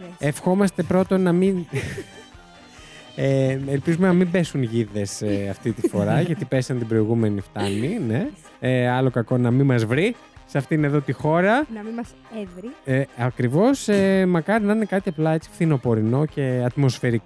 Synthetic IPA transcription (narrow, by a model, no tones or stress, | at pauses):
efxo̞mɐst̪e̞pɾo̞t̪o̞nɐmin | eelpizumenɐmimbe̞sunʝiðe̞seɐft̪it̪ifo̞ɾɐʝtɐt̪ipesɐnt̪ibɾo̞iɣume̞nift̪ɐnine̞ | ɐlo̞kɐko̞nɐmimɐzvɾi | sɐft̪ine̞ðo̞t̪ixo̞ɾɐnɐimɐs | evɾieɐkɾivo̞semɐkɐɾinɐnekɐt̪iɐplɐet͡si̥fθino̞po̞ɾino̞ce̞ɐt̪mo̞sfe̞ɾik